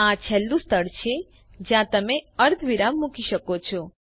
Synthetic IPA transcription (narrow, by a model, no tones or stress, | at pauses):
ãt͡ʃʰelːũst̪ʰəɽt͡ʃʰe | d͡ʒjãt̪əmeəɾt̪ʰʋiɾamːukiʃəkot͡ʃʰɔ